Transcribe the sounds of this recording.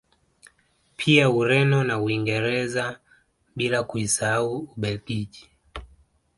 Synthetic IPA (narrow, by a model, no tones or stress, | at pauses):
pʰiauɾɛnɔnauiŋɡɛɾɛza | ɓilakuisaauuɓɛlkiʄi̥